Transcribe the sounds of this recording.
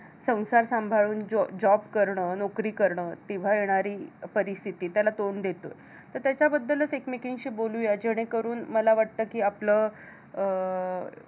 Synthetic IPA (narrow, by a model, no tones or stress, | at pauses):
sə̃w̃saɾsãmbʱaɭuːnd͡ʑd͡ʑɔbkəɾɳəːnokɾiːkəɾɳəːt̪iʋ̤ajeɽ̃aɾiːpəɾist̪ʰit̪iːt̪jalat̪oɳd̪et̪oj | t̪əɾt̪jat͡ɕjabəd̪ʱːələt͡sekmikiŋɡɕiːboluːjad͡ʑeɽ̃ekəɾuːnməlaʋaʈ̚t̪əːkiːapləː